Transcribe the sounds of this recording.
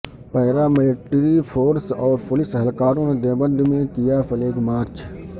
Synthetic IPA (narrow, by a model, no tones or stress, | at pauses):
pɐɦɾamɪlɪʈɾifʰoːɾsɔːɾpʊlɪsəɦəlkaːɾõned̪eːbə̃nd̪mẽkɪjafʰɐleːɡmaːɾt͡ʃ